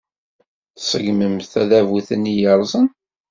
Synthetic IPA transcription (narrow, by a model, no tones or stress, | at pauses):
θsəɡməmθæðævuθənijəɾˤzˤən